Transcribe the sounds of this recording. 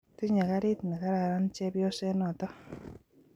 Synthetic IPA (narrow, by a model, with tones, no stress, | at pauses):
ti˦ɲa˨ka˦ɾɪ˦tna˨ka˦ɾa˨ɾa˦nt͡ʃɛ˦bjo˦sɛ˦nɔ˨tɔ˦